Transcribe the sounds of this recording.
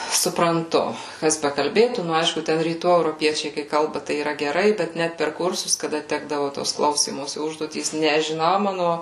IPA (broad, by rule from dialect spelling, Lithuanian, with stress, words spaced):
sʊprɐnˈtʊ ˈkɐs bʲɛkɐlʲˈbʲeːtuː ˈnʊ ˈɐɪʃkʊ ˈtʲɛn rʲiːˈtuː ɛʊroːˈpʲiɛt͡ʃʲɛɪ kɐɪ ˈkɐlˠbɐ tɐɪ iːˈrɐ ɡʲɛˈrɐɪ ˈbʲɛt ˈnʲæt pʲɛr ˈkʊrsʊs kɐˈdɐ ˈtʲæːɡdɐʋoː toːs ˈklˠɐʊsʲiːmoːsʲɪ ˈʊʒduɔtʲiːs nʲɛʒʲɪˈnɐʊ ˈmɑːnoː